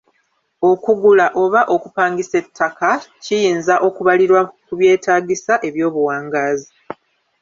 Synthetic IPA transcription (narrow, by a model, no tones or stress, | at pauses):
o̞kuɡulaʔo̞βaʔo̞kupaːŋɡise̞tːakacijiːnzaʔo̞kuβaliɾwakuβje̞ːtaːɡisaʔe̞βjo̞ːβuwaːŋɡaːzi